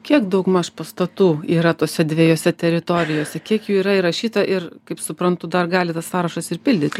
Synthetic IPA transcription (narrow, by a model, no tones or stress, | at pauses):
kʲiɛkd̪ɐʊkmɐʃpɐst̪ɐt̪uːiːɾɐt̪oːsʲɛd̪ʲʋʲeːjoːsʲɛt̪ʲɛɾʲɪt̪oːɾʲɪjoːsʲɛkʲiɛkjuːiːɾɐɪrɐʃʲiːt̪ɐʔɪrkɐɪpsʊpɾɐnt̪ʊd̪ɐrɡɑːlʲɪt̪ɐssɑːɾɐʃɐsɪrpʲɪlʲd̪ʲɪt̪ʲ